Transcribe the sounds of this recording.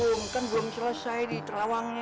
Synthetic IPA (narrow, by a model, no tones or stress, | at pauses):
oŋkənblʊmsələsaidit̪əɾawaŋɲa